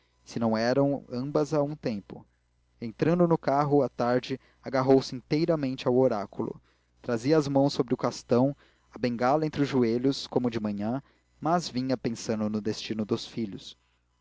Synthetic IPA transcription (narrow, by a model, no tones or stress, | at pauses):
sɪnɐ̃w̃ɛɾɐ̃w̃ɐ̰̃bɐzaũt̪ẽmpʊ | ẽnt̪ɾɐ̃nd̪ʊnʊkaɦʊat̪aɾd͡ʒɪ | aɡaɦowsɪĩnt̪ejɾɐmẽnt͡ʃɪawoɾakulʊ̰ | t̪ɾaziɐːzmɐ̃w̃sːobɾɪʊkast̪ɐ̃w̃ | ɐbẽŋɡalɐẽnt̪ɾɪʊzʒueʎʊskõmʊd͡ʒɪmɐ̃ɲɐ̃ | mɐzvĩɲɐpẽsɐ̃nd̪ʊnʊd̪est͡ʃinʊd̪ʊsfiʎʊs